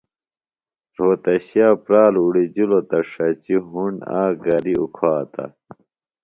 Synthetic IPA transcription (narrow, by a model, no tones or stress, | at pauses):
ɾoːt̪ɐɕijaːpɾaːluɽid͡ʑulot̪ɐʂɐt͡ɕiɦuɳa̰ːɡɐɾiukʰwaːt̪ɐ̰